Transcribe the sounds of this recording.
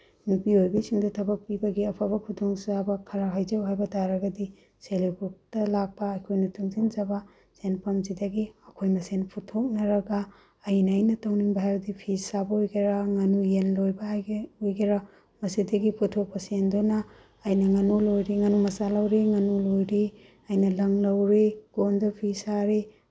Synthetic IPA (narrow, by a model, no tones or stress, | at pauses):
nupiojbisiŋdutʰɐbɐk̚pibɐɡiɐpʰabɐkʰudoŋsabɐkʰɐɾaɦajzɐwɦajbɐdaɾɐɡɐdi | selibʰuk̚tɐlak̚pɐːjkʰojnɐtuŋzind͡ʒɐbɐ | senpɐmzidɐɡiɐkʰojmɐsenpʰutʰok̚nɐɾɐɡaː | jnɐːjnɐtawniŋbɐɦajbɐdipʰisabɐojɡiɾaŋɐnujenlojbɐjojɡiɾa | mɐsidɐɡipʰutʰok̚pɐsendonaː | jnɐŋɐnulojɾiŋɐnumɐsalɐwɾiŋɐnulojɾi | ɐjnɐlɐŋlɐwɾiɡ̥ondɐpʰisaɾi